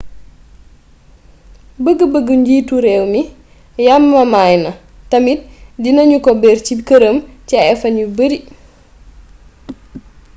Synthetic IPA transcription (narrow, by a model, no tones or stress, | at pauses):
bəɡəbəɡːəɲɟiːtuɾɛwmi | jamːɐmajnɐ | tɐmit̚dinɐɲukɔbɛɾt͡ʃikəɾəmcɛɛfɐnjubəɾi